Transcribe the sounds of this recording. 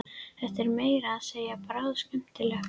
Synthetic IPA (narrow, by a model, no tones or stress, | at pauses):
θɛht̪ɛɾmeːjɾaːðseːjapaɾaðscɛm̥t̪ɪlɛx